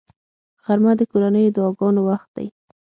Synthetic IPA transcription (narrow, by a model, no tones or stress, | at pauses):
ɣ̥aɾmad̪əkoɾanəjod̪ɑɡɑnowaxt̪̚d̪a̰j